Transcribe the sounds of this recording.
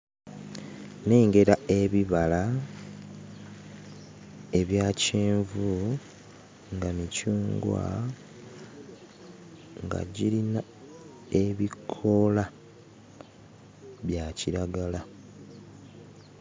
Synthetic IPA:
ne̞ːŋɡe̞ɾae̞βiβala | e̞βjaːceːɱvu | ŋɡamicuːŋɡwa̰ | ŋɡa̰ɟiɾina | eβikʰo̞la | βjaciɾaɡala

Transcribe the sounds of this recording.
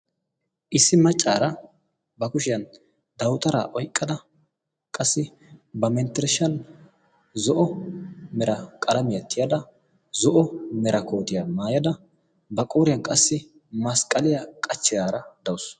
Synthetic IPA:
ʔɪsːɪmɐt͡ʃʼːaːɾɐ | bɐkʊʃɪjɐn | d̪ɐwt̪ɐɾa̰ːʔɔjkʼːɐd̪ɐ | kʼɐsːɪ | bɐmɛnt̪ːɛɾʃɐn | zɔʔɔmɛɾɐkʼɐlɐmɪjɐt̪ʰːɪjad̪ɐ | zɔʔɔmɛɾɐko̞ːt̪ɪjɐmaːjɐd̪ɐ | bɐkʼoːɾɪjɐnkʼɐsːɪ | mɐskʼɐlɪjɐkʼɐt͡ʃːɪd̪aːɾɐd̪ɐwʊs

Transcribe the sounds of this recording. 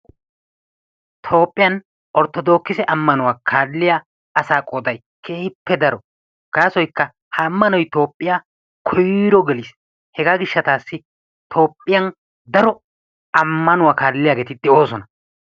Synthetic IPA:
t̪ʰo̞ːpʼːɪjɐn | ʔɔɾt̪ːɔd̪o̞ːkːɪsɛʔɐmːɐnʊwaːkʰaːdlːɪjaː | ɐsaːkʼoːd̪ɐj | kʰe̞ːhɪpːɛd̪ɐɾɔ | ɡ̥aːsɔjkːɐ | hɐːmːɐnɔjt̪o̞ːpʼːɪjaː | kʰɔjɾɔɡɛliːs | hɛɡaːɡɪʃːɐt̪aːsːɪ | t̪ʰo̞ːpʼːɪjɐn | d̪ɐɾɔ | ɐmːɐnʊwaːkaːdlːɪjaːɡe̞ːt̪ɪd̪ɛo̞ːsɔnɐ

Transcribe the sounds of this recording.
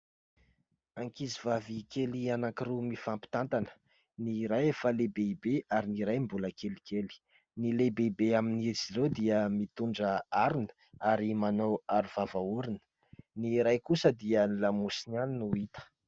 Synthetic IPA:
aŋkizivavikʰelianaŋkirumifampi̥t̪ant̪anə̥ | niɾajefalebeibeaɾiniɾajmbuləkelikeli̥ | nilebeibeaminizirewd̪iəmit̪uɳɖ͡ʐəaɾunə̥ | aɾimanawaɾuv̥avauɾinə̥ | niɾajkusəd̪iənilamusinaninuit̪ə̥

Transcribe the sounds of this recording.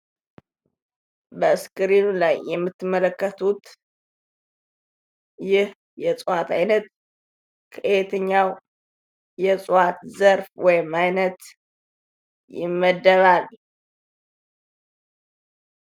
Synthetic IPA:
bəɨskʼɨɾinulajːɛmːɨt̪ːɨmːələkːət̪ʰut̪ | jɪh | jɛsʼuwat̪ʰa̰jnət̪ | kʰəʔet̪ʰəɲːaw | jɛsʼuwat̪zəɾfwɔjɪmajnət̪ | jɪ̰mːəd̪ːəβal

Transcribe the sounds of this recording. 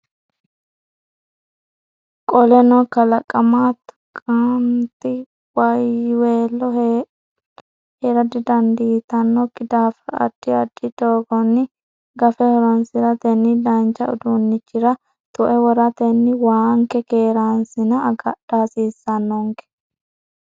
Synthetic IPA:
kʼɔlɛnɔkɐlɐkʼːɐmat̪ | kʼant̪ːɪ | wɐjweːlːɔ | heɾɐd̪ɪd̪ɐnd̪iːt̪ɐnːɔkʼɪd̪aːfɐɐ̰d̪̥ːɪɐd̪ːɪd̪oːɡɔnːɪ | ɡɐfɛhɔɾɔnsɪɾɐt̪ɛnːɪd̪ɐnt͡ʃːɐʊd̪unːɪt͡ʃːɪɾɐ | t̪ʼʊʔɛwɔɾɐt̪ɛnːɪwaːŋkɛkeːɾansɪnɐɐɡɐd̥aːsiːsːɐnːɔŋkɛ̥

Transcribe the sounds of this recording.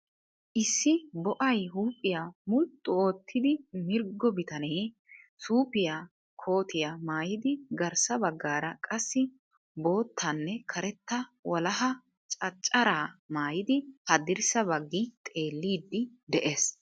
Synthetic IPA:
ʔɪsːɪbɔʔɐjɦuːpʼːɪjaːmʊlt̪ʼːʊo̞ːt̪ʰːɪd̪ɪmɪɾɡːɔbɪt̪ɐneː | suːpɪjaː | kʰo̞ːt̪ɪjamaːjɪd̪ɪɡɐɾsɐbɐɡːaːɾɐkʼɐsːɪ | bo̞ːt̪ʰːɐnːɛkʰɐɾɛt̪ːɐwɐlɐɦɐ | t͡ʃʼɐt͡ʃʼːɐɾaːmaːjɪd̪ɪhɐd̪ɪɾsɐbɐɡːɪt̪ʼe̞ːlːiːd̪ːɪ | d̪ɛʔe̞ːs

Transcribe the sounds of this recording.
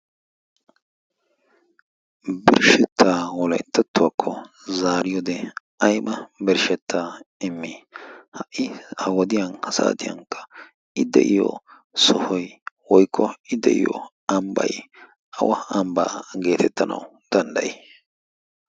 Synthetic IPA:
bɪɾʃɛt̪ʰːaːwɔlɐjt̪ːɐt̪ːʊwakʰːɔ | zaːɾɪjɔd̪ɛ | ɐjmɐbɪɾʃɛt̪ʰːaːɪmːɪhɐʔɪhɐwɔd̪ɪjɐnɐsa̰ːt̪ɪjɐ̰ŋkːɐ̥ | ɪd̪ɛ̰ʔɪjɔ̰ | sɔhɔjwɔjkʰːɔɪd̪ɛ̰ʔɪ̰jɔ̰ | ɐmbɐ̰j | ʔɐwɐɐmba̰ːɡe̞ːt̪ʰɛt̪ːɐnɐ̰wʊ | d̪̥ɐnd̪ɐjɛ

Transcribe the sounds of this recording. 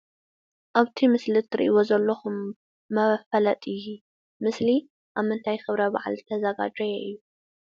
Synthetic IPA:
ʔaβt̪ʰimɨslɨt̪ʰɨɾiʔḭwozɐlːoxumː | ɐfɐlɐt̪ʼɨju | mɨsli | ʔaβmːɨnt̪ʰajxɨβɾɐba̰ʕa̰lzɨt̪ʰɐzɐɡa̰d͡ʒɐjɛʔɨjːu

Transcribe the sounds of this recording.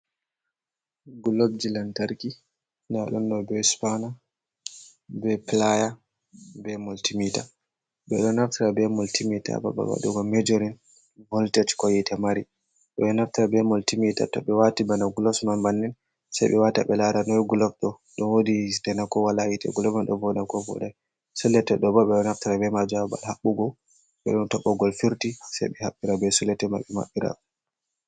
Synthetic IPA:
ɡulob̚d͡ʒilantaɾki | naɗɔndɔbɛspana | bɛplaja | bɛmɔltimita̰ | ɓɛɗɔnaftiɾabɛmɔltimita̰ba̰ba̰ba̰ɗuɡɔmɛd͡ʒoɾin | vɔltɛt͡ʃkɔjɛtamaɾi | ɓɛɗɔnaftiɾabɛmɔltimita̰tɔɓɛwatibanaɡulɔsmanbanːin | sajɓɛwataɓɛlaɾanɔjɡulɔfɗɔ | ɗɔnwoditɛnakɔwalajitɛ̰ɡulɔfanɗɔvɔdakɔvɔ̰ɗaj | sulːɛtɛɗɔbaɓɛɗɔnaftiɾabɛmad͡ʒuaba̰lhaɓːuɡɔ | ɓɛ̰ɗuntɔɓːɔɡɔlfiɾtisɛ̰jɓɛhaɓːiɾabɛsulɛtɛmaɓːɛma̰ɓːiɾa̰

